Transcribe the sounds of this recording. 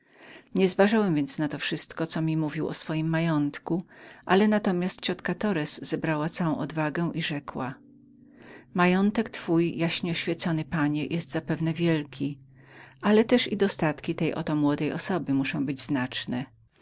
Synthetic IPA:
ɲɛzvaʐawɛmvʲjɛnsnat̪ɔfʂɘst̪kɔt̪sɔmʲimuvʲiwɔ̰sfɔjimːajɔnt̪kuʔalɛnat̪ɔmʲjast̪̚t͡ɕɔt̪kat̪ɔɾɛsːɛbɾawat̪sawɔ̃w̃ɔd̪vaɡɛw̃ʔiʐɛkwa | majɔnt̪ɛkt̪fujjaɕɲɛɔɕfʲjɛt̪sɔnɘpaɲɛjʔɛst̪zapɛvn̪ɛvʲjɛlkʲʰi | ʔalɛt̪ɛʂḭd̪ɔst̪at̪kʲit̪ɛjʔɔ̰t̪ɔmwɔd̪ɛjɔsɔbɘmuʂɔ̃w̃bɘd͡ʑznat͡ʂnɛ

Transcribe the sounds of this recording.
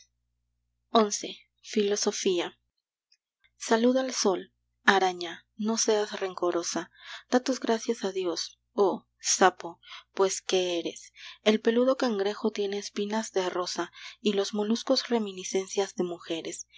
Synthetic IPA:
o̞nse̞ | filo̞so̞fia | saluðaalso̞l | aɾaɲa | no̞se̞asre̞ŋko̞ɾo̞sad̪̥at̪uzɣɾasjasaðjo̞s | o | sapo̞pwe̞ske̞eɾe̞̰se̞lpe̞luðo̞kaŋɡɾe̞xo̞t̪je̞ne̞ːspinazðero̞sailo̞zmo̞lusko̞sre̞mĩnise̞nsjazðe̞muxe̞ɾe̞s

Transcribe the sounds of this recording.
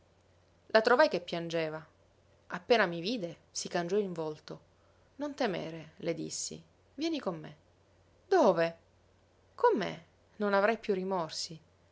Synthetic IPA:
lʔat̪ɾovajkepːjand͡ʒeːva | apːeːnamiviːd̪esikand͡ʒɔiɱvolt̪o | nont̪emḛːɾeled̪ḭsːḭ | vjɛːnikomːḛ | d̪oːve | komːḛ | nonavɾajpjurːimɔrsi

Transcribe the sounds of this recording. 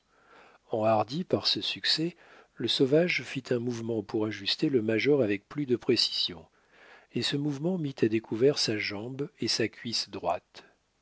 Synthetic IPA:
ɑ̃aʁd̪ipaʁsəsyksɛ | ləsovaʒfit̪ʰɛ̃muvmɑ̃puʁaʒyst̪eləmaʒɔʁavɛk̚plyd̪əpχesi̥z̥jɔ̰̃ | esəmuvmɑ̃mit̪ʰad̪ekʰuvɛʁsaʒɑ̃besakʰʲɥisd̪ʁwat̪

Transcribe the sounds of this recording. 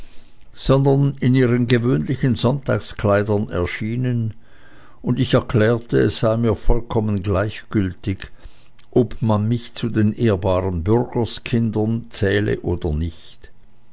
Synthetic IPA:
z̥ɔndɐnɪniːʁənɡevøːnlɪçənzɔntaːkskʰl̥aɪdɐnɛ̰ɐʃiːnən | ʊndɪçɛɐkʰlɛːɐtəɛsz̥aɪmiːɐfɔlkʰɔmənɡlaɪçɡ̥ʏltɪɡ | ʔɔbmanmɪçt͡sudeːnʔeːɐbaːʁənbʏʁɡ̥əskʰɪndɐnt͡sɛːlə̰ʔoːdɐnɪçt

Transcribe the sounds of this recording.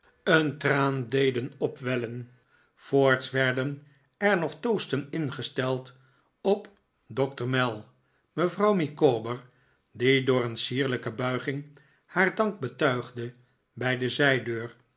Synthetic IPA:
əntraːndejdənɔpʋɛlən | foːɹtsʋɛɹdən | ɛɹnɔχtowstənɪnχəstɛlˠt | ɔp | dɔktəɹmɛlˠ | məvrɑwmikoːbəɹ | didʊːɹənsiːɹləkəbœɥχɪŋ | haːɹdɑŋɡ̚bətœɥχdə | bɛjdəzɛjdøːɹ

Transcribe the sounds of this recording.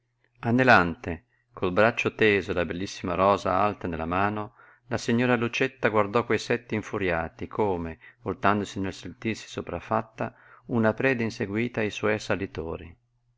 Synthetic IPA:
anːelant̪e | kʰolbɾat͡ʃːot̪eːzolabelːisːimaɾɔːza̰alt̪anelːamaːno | lasiɲːoːɾalut͡ʃet̪ːaɡward̪ɔkːwejsɛt̪ːeiɱfuɾjaːt̪ikʰoːmevolt̪and̪osinelsent̪irsi̥sopɾafːat̪ːa̰ | unapɾɛːd̪einseɡwiːt̪aːjswɔjasalːit̪oːɾi

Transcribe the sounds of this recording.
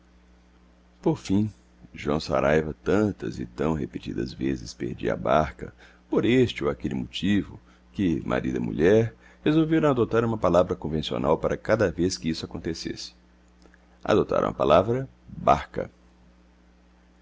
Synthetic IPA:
poɾfĩ | ʒwɐ̰̃w̃sa̰ɾajvɐt̪ɐ̃nt̪ɐzɪ̰t̪ɐ̃w̃hepet͡ʃid̪ɐ̰zvezɪspḛɾd͡ʒḭa̰baɾkɐ̰ | poɾest͡ʃɪoakelɪmot͡ʃivʊ | kɪmʔa̰ɾid̪ɐ̰mṵʎɛɾ | hezowveɾɐ̃w̃ad̪ot̪aɾũmɐpalavɾɐkõvẽsio̰nawpaɾʔɐkad̪ɐveskɪisʊakõnt̪esesɪ̥ | a̰d̪ot̪a̰ɾɐ̰̃ɐpalavɾɐ | ba̰ɾkɐ̰

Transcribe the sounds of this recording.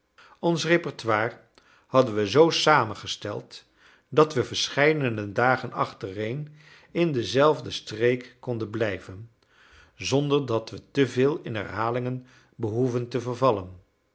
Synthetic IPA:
ɔnsrepɔɹtʋwaːr | hɑdənʋəzowsaːmənχəstɛ̰lˠt | dɑtʋəvəɹsχɛjdənədaːχənɑ̰χtərejn | ɪndəzɛlˠvdəstrejkːɔndənblɛjvən | zɔndəɹdɑtʋətəvɪːlˠɪnɦɛ̰ɹɦaːlɪŋən | bəɦuvəntəvəɹvɑlən

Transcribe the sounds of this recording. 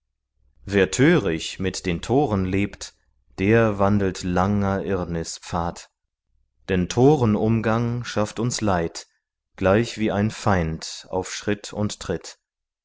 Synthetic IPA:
veːɐtʰøːʁɪçmɪtd̥eːntʰoːʁənleːpt | d̥eːɐvandl̩tlaŋɐʔɪɐnɪspp͡faːt | d̥ɛntʰoːʁənʊmɡaŋʃaftʊnslaɪt | ɡ̥laɪçv̥iːaɪnfaɪnta̰ʊfʃʁ̥ɪtʰʊnttʁ̥ɪt

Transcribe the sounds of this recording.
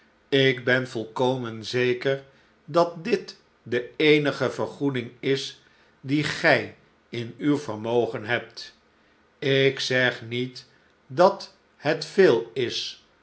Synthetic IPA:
ɪkbɛnvɔlˠkowmənzejkəɹ | dɑt̚dɪt | dəejnəχəvəɹχudɪŋɪs | diχɛj | ɪnywvəɹmowχənɦɛp̚t | ɪksɛχnit | dɑt | hɛtfeːlˠɪs

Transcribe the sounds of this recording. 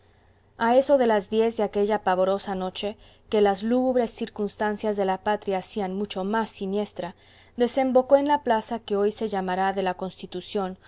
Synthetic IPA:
ae̞so̞ðe̞lazðje̞zðeake̞ʝapaβo̞ɾo̞sano̞t͡ʃe̞ | ke̞lazluɣuβɾe̞sːiɾkunst̪ansjazðe̞lapat̪ɾjaːsianmut͡ʃo̞masːinje̞st̪ɾa | ðe̞se̞mbo̞ko̞e̞nlaplasake̞o̞jse̞ʝamaɾaðe̞lako̞nst̪it̪usjo̞n

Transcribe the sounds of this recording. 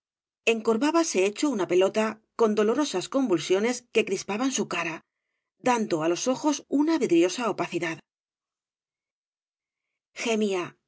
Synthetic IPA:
e̞ŋko̞ɾβaβase̞e̞t͡ʃo̞unape̞lo̞t̪ako̞nd̪o̞lo̞ɾo̞sasko̞mbulsjo̞ne̞ske̞kɾispaβansukaɾa | d̪and̪oalo̞so̞xo̞sunaβiðɾjo̞saopaθiðað | xemia

